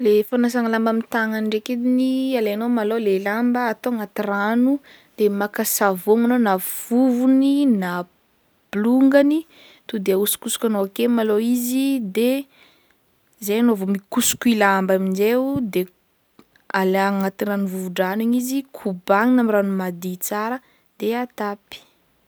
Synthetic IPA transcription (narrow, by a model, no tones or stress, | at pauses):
lefanas̬aŋalambamint̪aŋanɳɖ͡ʐeked̪inialenomalolelambəat̪oaŋat̪iranu | d̪̥emakasavoŋanonav̥uvunina | b̥luŋɡani | t̪ud̪eausu̥kusu̥kʲanoakemaloizid̪e | zejanoavomikusu̥kuilaambaminzewd̪e | alaŋat̪iɾanuvuvuɖ͡ʐanuɲizikʰubaŋinamiranumad̪it͡saɾə | d̪̥eat̪api̥